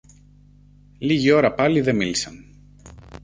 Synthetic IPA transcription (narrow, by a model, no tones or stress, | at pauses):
liʝio̞ɾɐpɐliðe̞milisɐn